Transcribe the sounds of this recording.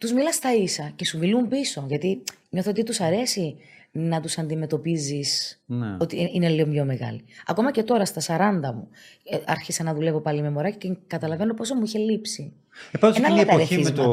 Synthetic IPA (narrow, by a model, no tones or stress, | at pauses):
t̪uzmilɐst̪ɐisɐce̞sumilumbiso̞ʝɐt̪iɲo̞θot̪it̪usɐɾe̞si | nɐt̪usɐnd̪imet̪o̞pizisno̞t̪iine̞liomjo̞me̞ɣɐ̰liɐ̰ko̞mɐce̞t̪o̞ɾɐst̪ɐsɐɾɐnd̪ɐmuɐɾçisɐnɐðule̞vo̞pɐlime̞mo̞ɾɐcicekɐt̪ɐlɐve̞no̞po̞somuiçe̞lipsi | epenɐlet̪ɐɾeizmɐ